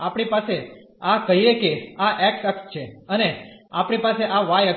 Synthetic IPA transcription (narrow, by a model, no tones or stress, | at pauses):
apɽipase | akəɦiekeaʔɛksəkst͡ʃʰeəneapɳ̃ipaseʔaʋajə